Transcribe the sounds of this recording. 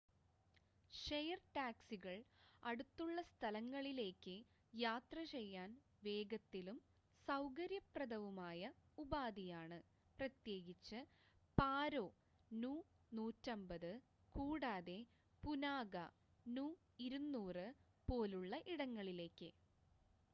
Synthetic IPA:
ʂejɐrʈaːksiɣɐɭɐɽut̪ːuɭːɐst̪ʰɐlɐŋːɐɭile̞ːkːɨ | jaːt̪rɐt͡ɕe̞jːaːn | ʋe̞ːɡɐt̪ːilum | sɐwkɐɾjɐprɐd̪ɐʋumaːjɐubaːd̪ijaːɳɨ | prɐt̪je̞ːɡit͡ɕːɨ | paːɾo̞ː | nuː | nuːtːɐmbɐðɨ | kuːɽaːðe̞ | punaːɡɐ | nuː | iɾunːuːrɨ | po̞ːluɭːɐʔiɽɐŋːɐɭile̞ːkːɨ

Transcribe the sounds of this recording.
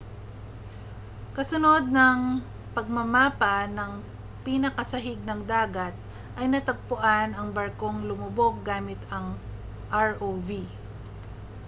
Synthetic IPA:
kɐsʊno̞d̪̚nɐŋ | pɐɡ̚mɐmaːpɐnɐŋ | pinɐkɐsɐɦɪɡ̚nɐŋd̪aːɡɐt̪̚ | ʔɐjnɐt̪ɐɡ̚pʊʔanɐŋbɐɾko̞ŋlʊmʊbo̞ɡ̚ːaːmɪt̪ɐŋ | ʔaɹʔovi

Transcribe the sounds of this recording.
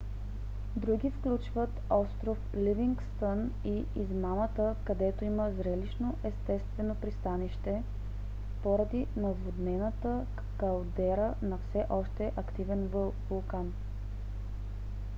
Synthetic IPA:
d̪ɾuɡifklʲut͡ʃvət̪ɔst̪ɾofliviŋkst̪əniizmamət̪əkɐd̪ɛt̪oiməzɾɛliʃnoʔɛst̪ɛst̪vɛnopɾist̪aniʃt̪ɛ | poɾɐd̪inɐvod̪nɛnət̪ə | kɐlˠd̪ɛɾənɐfsɛʔɔʃt̪ɛʔɐkt̪ivɛnvolˠkan

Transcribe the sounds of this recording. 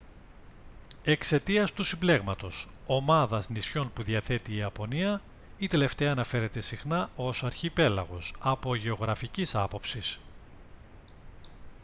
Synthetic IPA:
e̞kse̞t̪iɐst̪usimble̞ɣmɐt̪o̞s | o̞mɐðɐznisço̞npuðiɐθe̞t̪iːɐpo̞niɐ | it̪e̞le̞ft̪eɐːnɐfe̞ɾe̞t̪e̞sixnɐo̞sɐɾçipe̞lɐ̰ɣo̞sɐpo̞ʝe̞o̞ɣɾɐficisɐpo̞psis

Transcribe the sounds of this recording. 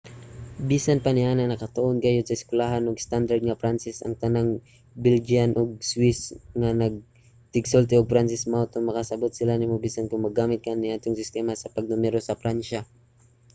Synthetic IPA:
bisanpanɪʔananɐkɐt̪oʔonɡajod̪sɐɪskwɪlaɦanoɡst̪and̪aɹd̪̚ŋɐpɾansɪsʔɐ̰ŋt̪ɐnaŋ | bɪld͡ʒianʔoɡ̚swɪsŋanɐɡ̚ | t̪ɪɡsolt̪ɛoɡ̚pɾansɪsmawt̪oŋmɐkasɐbot̪sɪlanɪmobisankʊŋmɐɡaːmɪt̪̚kanɪʔaːt̪oŋsɪst̪ɛmasɐpɐɡ̚nʊmɛɾosɐfɾanʃa

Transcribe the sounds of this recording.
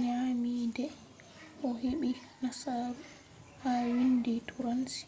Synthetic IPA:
ɲamiːdɛ | ʔɔɦeɓi | nasaːɾu | hawinditʰuɾansi̥

